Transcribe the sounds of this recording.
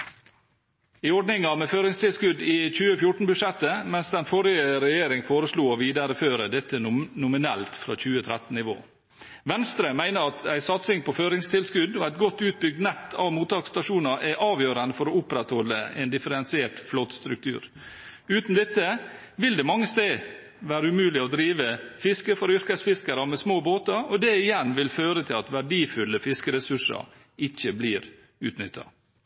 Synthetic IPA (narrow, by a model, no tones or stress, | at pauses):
ɪɔɖnɪŋɑmɛføːɾɪŋst̪ʰɪlskʉd̪ɪc͡çʉːəfjʊʈn̩bʉʂɛt̪ːəmɛnsd̪ɛnfɔɾɪəɾɛjeːɾɪŋfoːɾəsluːɔʋiːd̪ɑɾəføːɾəd̪ɛt̪ːənʊmɪnɛlt̪fɾɑ̰ːc͡çʉːət̪ʰɾɛt̪n̩nɪʋo̰ː | ʋɛnst̪ɾəmæɪnəɾɑt̪ʰæɪsɑt̪sɪŋpʰɔføːɾɪŋst̪ʰɪlskʉd̪oæɪt̪̚ɡɔt̪ːʉːt̪̚bʏɡ̚d̪nɛt̪ːɑʋmuːt̪ɑːkst̪ɑʂuːnɑʔæʔɑːʋjøːɾənd̪əfɔɾoʊpɾɛt̪hɔlːəɛnd̪ɪfəɾɛnsɪeːʈflɔt̪st̪ɾʉk̚t̪ʰʉ̰ːɾ | ʉːt̪n̩d̪ɛt̪ːə | ʋɪld̪ɛmɑŋːəst̪eː | ʋæːɾəʉmʉːlɪɔd̪ɾiːʋəfɪskəfɔɾʏɾkəsfɪskəɾɑmɛsmoːboːt̪ɑɾɔd̪ɛɪjɛnːʋɪlføːɾət̪ʰɪlɑt̪ʋæɖiːfʉlːəfɪskəɾɛsʉʂɑ̰ | ɪçːəbliːɾ | ʉːt̪nʏt̪ʰːɑ̰